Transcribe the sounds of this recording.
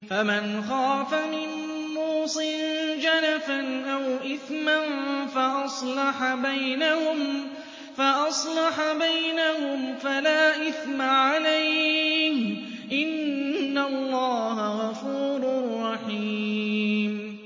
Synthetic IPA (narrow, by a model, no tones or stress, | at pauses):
famanxɑːfamɪn | muːsˤɨnd͡ʒanafanʔawʔɪθmanfaʔɑsˤlɑħabajnahʊm | faʔɑsˤlɑħbajnahʊmfalaːʔɪθmaʕaalajh | ʔɪnːalːɑːɦaɣɑfuːɾʊɾˤːɑħiːm